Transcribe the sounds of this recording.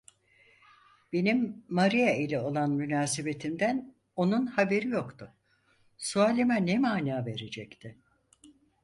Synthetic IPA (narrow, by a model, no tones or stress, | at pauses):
b̥e̞nimːaɾijailʲɛo̞lˠanmynaːsebe̞t̪ʰimd̪æn | o̞nunhabe̞ɾijo̞kt̪ʰʊ | suaːlʲimanɛmaːnaːve̞ɾe̞d͡ʒɛct̪ʰɪ